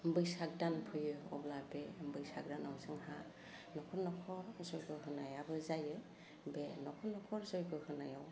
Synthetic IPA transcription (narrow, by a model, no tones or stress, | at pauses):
mbɯjsak̚danpʰɯjɯɔ̰blabembɯjsak̚danawzɯŋha | nɔkʰɔnɔkʰɔɾzɔjɡɯɦɯnajabɯzaje | benɔkʰɔnɔkʰɔɾzɔjɡɯhɯnajaw